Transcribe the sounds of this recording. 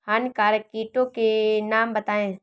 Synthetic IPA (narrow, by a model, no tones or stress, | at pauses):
hɐnkaːɾkiːʈõkenaːmbət̪aːẽː